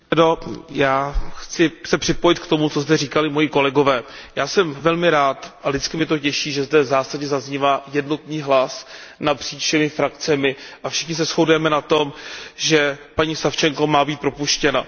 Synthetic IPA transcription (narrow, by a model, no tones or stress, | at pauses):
ɛdojaːxt͡sɪsɛpr̥ɪpo̞jɪt̪kt̪o̞mut͡so̞zd̪ɛriːkalɪmo̞jiko̞lɛɡo̞vɛːjaːsɛmvɛlmɪɾaːt̪ʔalɪt͡skɪmɪt̪o̞cɛʃiːʒɛzdɛzaːsadɲɛzazɲivaːjɛdno̞t̪niːɦlasnapr̥iːt͡ʃʃɛmɪfɾakt͡sɛmɪʔafʃɪxɲɪs̬ɛsxo̞dujɛmɛnat̪o̞mʒɛpaɲiːsaft͡ʃɛŋko̞maːbiːt̪̚pɾopuʃcɛna